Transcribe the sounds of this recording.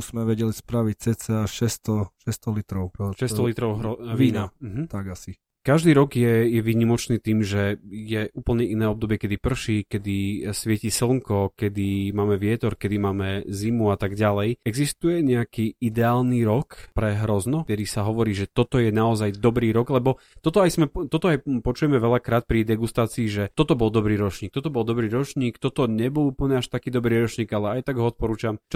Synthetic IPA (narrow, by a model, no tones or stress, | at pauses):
uzmɛʋɛɟɛlispɾaʋic̚t͡sɛt͡sɛaʃɛst̪ɔʃɛst̪ɔlit̪ɾɔʊʃɛst̪ɔlit̪ɾɔʊɦɾɔʋiːnam̩ɦm̩t̪aɡasi | kaʒd̪iːɾɔɡjɛjɛʋiːɲimɔt͡ʃniːt̪iːmʒɛjɛuːpl̩ɲɛʔinɛːɔb̚d̪ɔbɪɛkɛd̪ipr̩ʃiːkɛd̪isʋɪɛciːsl̩ˠŋkɔkɛd̪imaːmɛʋɪɛt̪ɔɾkɛd̪imaːmɛzimuat̪aɡɟalɛjɛɡzist̪ujɛɲɛakiːid̪ɛaːlniɾɔkpɾɛɦɾɔznɔt̪ɛd̪isaɦɔʋɔɾiːʒɛt̪ɔt̪ɔjɛnaɔzajd̪ɔbɾiːɾɔɡlɛbɔt̪ɔt̪ɔajsmɛt̪ɔt̪ɔajpɔt͡ʃujɛmɛʋɛʎakɾaːt̪̚pɾid̪ɛɡust̪aːt͡siːʒɛt̪ɔt̪ɔbɔlˠd̪ɔbɾiːɾɔt͡ʃɲiːk̚t̪ɔt̪ɔbɔlˠd̪ɔbɾiːɾɔt͡ʃɲiːkt̪ɔt̪ɔɲɛbɔluːpl̩ɲɛaʃt̪akiːd̪ɔbɾiːɾɔt͡ʃɲiːɡalɛajt̪aɡɦɔɔt̪̚pɔɾuːt͡ʃamt͡ʃ